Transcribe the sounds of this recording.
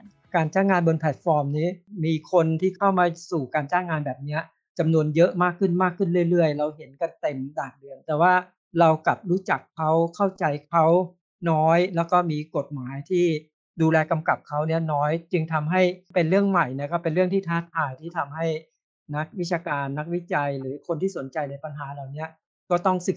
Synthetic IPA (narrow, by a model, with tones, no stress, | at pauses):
kaː˧nt͡ɕaː˥˩ŋːaː˧nbo˧npʰɛː˨˩t̪̚fɔː˧mniː˦˥miː˧kʰo˧nt̪ʰiː˥˩kʰa˥˩wmaː˧suː˨˩kaː˧nt͡ɕaː˥˩ŋːaː˧nbɛː˨˩p̚ni˦˥ɐ | t͡ɕa˧mnu˧ənjɤ˦˥ʔmaː˥˩kʰːɯ˥˩nmaː˥˩kʰːɯ˥˩nɾɯ˥˩əjɾɯ˥˩əjɾa˧wɦe˩˦nka˧nt̪e˧mdaː˨˩ŋ̚dɯ˧ənt̪ɛː˨˩waː˥˩ | ɾa˧wkla˨˩p̚ɾuː˦˥t͡ɕa˨˩kʰːa˦˥wkʰa˥˩wt͡ɕa˧jkʰa˦˥w | nɔː˦˥jlɛː˦˥wkɔː˥˩miː˧ko˨˩t̪̚maː˩˦jt̪ʰiː˥˩ | duː˧lɛː˧ka˧mka˨˩p̚kʰa˦˥wni˦˥ɐnɔː˦˥jt͡ɕɯ˧ŋt̪ʰa˧mɦa˥˩jpe˧nɾɯ˥˩əŋma˨˩jna˧˥˩kɔː˥˩pe˧nɾɯ˥˩əŋt̪ʰiː˥˩t̪ʰaː˦˥t̪ʰːaː˧˩jt̪ʰiː˥˩t̪ʰa˧mɦa˥˩j | na˦˥k̚wi˦˥t͡ɕʰaː˧kaː˧nːa˦˥k̚wi˦˥t͡ɕa˧jɾɯː˩˦kʰo˧nt̪ʰiː˥˩so˩˦nt͡ɕa˧jna˧jpa˧nɦaː˩˦laː˨˩wni˦˥ɐ | kɔː˥˩t̪ɔ˥˩ŋsɯ˨˩